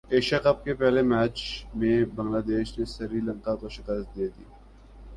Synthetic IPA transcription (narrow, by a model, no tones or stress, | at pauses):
eːʃɐkɐp̚kepɛɦlemɛːt͡ʃmẽbɐ̃ŋɡlaːd̪eːʃnesɐɾiːlɐ̃ŋkakoʃɪkəst̪̚d̪eːd̪iː